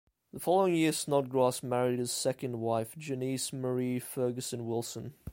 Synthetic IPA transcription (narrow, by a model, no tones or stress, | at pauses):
ðəfɔlˠəʊɪ̃ŋjɪəsnɔt̚ɡɹɑˑsmæɹidɨz̥sɛkə̃ndwaɪfd̥d͡ʒɪnisməɹifɜːɡəsə̃nwɪlˠsə̃n